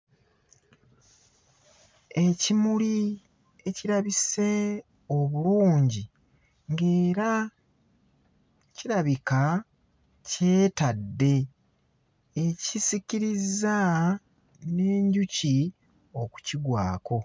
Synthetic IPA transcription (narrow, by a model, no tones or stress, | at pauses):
e̞cimuli | eciɾaβise̞ | o̞βuluːɲɟi | ŋɡe̞ːɾa | ciɾaβika | ce̞ːtadːe̞ | ecisiciɾiza | ne̞ːɲɟuci | o̞ku̥ciɡwaːkʰo̞